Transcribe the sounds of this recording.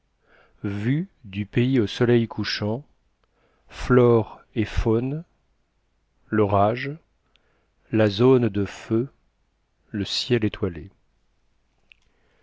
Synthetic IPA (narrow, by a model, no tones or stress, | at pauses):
vyd̪ypeiosɔlɛjkʰuʃɑ̃ | flɔʁefon | ləʁaʒ | lazond̪əfø | ləsjɛlet̪ʰwale